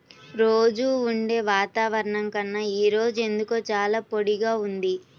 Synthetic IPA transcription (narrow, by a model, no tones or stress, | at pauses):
ɾoːd͡ʒuːɳɖe̞ːʋaːt̪aːʋɐɾɐɳɐŋkɐnːɐiːɾo̞ːd͡ʒue̞nd̪ukoːt͡ʃaːlaːpo̞ɽiɡaːund̪i